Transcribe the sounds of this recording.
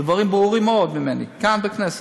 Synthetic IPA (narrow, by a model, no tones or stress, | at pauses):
dvaʁimbʁuʁimːeo̞d̪mime̞nḭkanbeknese